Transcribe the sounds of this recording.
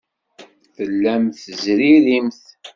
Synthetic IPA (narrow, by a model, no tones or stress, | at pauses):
θəlːæmθəzɾiɾimθ